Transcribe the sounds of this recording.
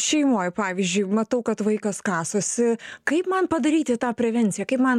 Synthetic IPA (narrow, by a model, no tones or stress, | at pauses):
ʃʲɛɪmoːjpɑːʋʲizʲd͡ʒʲʊɪmɐt̪ɐʊkɐt̪ʋɐɪkɐskɑːsoːsʲɪkɐɪpmɐnpɐd̪ɐɾʲiːt̪ʲɪt̪ɑːpʲɾʲɛʋʲɛnʲt̪sʲɪjɛkɐɪpmɐn